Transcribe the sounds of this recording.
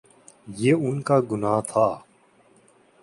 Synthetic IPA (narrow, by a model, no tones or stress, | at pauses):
jeːʊnkaːɡʊnaːt̪ʰaː